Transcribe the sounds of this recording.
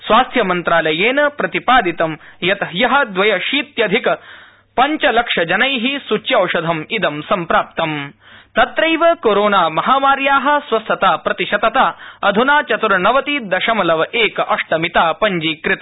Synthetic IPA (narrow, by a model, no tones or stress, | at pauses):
sʋaːst̪ʰjɐmɐnt̪ɾaːlɐjeːnɐpɾɐt̪ipaːd̪it̪ɐmjɐt̪ɐjɐɦɐ̆d̪ʋɐjɐʃiːt̪jɐd̪ʱikɐ | pɐɲt͡ʃɐlɐkʂɐd͡ʒɐnɐjɦisut͡ʃjɐwʂɐd̪ʱɐmid̪ɐmsɐmpɾaːp̚t̪ɐm | t̪ɐt̪ɾɐjʋɐkoːɾoːnaːmɐɦaːmaːɾjaːɦɐ̆sʋɐst̪ʰɐt̪aːpɾɐt̪iʃɐt̪ɐt̪aːɐd̪ʱunaːt͡ʃɐt̪uɾɐnɐʋɐt̪id̪ɐʃɐmɐlɐʋɐʔeːkɐʔɐʂʈɐmit̪aːpɐɲd͡ʒiːkɾɪt̪ɐ